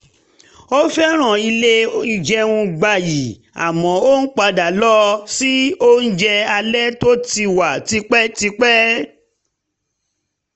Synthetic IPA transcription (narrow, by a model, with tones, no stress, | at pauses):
o˦fɛ˦ɾ̃ã˦˨i˧le˦i˧d͡ʒɛ˧ũ˧ɡ͡ba˧˨ji˨ | a̰˨mɔ̃˨˦o˦n̩˦k͡pa˧da˨lɔ˦si˦o˦n̩˦d͡ʒɛ˧a˧lɛ˦to˦ti˧wa˨ti˧k͡pɛ˦ti˧k͡pɛ˦